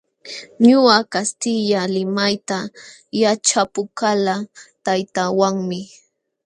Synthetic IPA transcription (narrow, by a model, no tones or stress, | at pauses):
ɲʊakast̪ɪʎalɪmajt̪a | jat͡ʃapʊkalat̪ajt̪awaŋmɪ